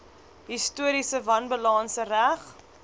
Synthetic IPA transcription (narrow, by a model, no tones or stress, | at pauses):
ɦistuəɾisəvɐnbəlɑːnsəræχ